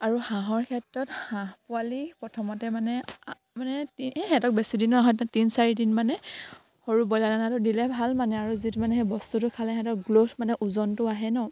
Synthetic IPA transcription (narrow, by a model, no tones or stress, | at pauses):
aɹuhãɦɔɹkʰɛtɹɔthãɦpʊalipɹɔtʰɔmɔtɛmanɛ | manɛtixɛ̃tɔk̚besidinɔɦɔjttinsaɹidinmanɛ | hoɹubɔjladanatʊdilɛbʱalmanɛaɹuzitumanɛɦebɔstutʊkʰalɛɦɛ̃tɔkɡlotmanɛʔuzɔntʊaɦɛnɔ